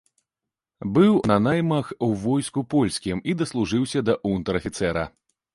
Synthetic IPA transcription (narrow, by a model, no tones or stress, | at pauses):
bɨwnɐnajmɐxwvɔjskupɔlʲsʲkʲimid̪ɐslˠuʐɨwsʲɐd̪ɐʔunt̪ɐɾɐfʲit̪sɛɾɐ̰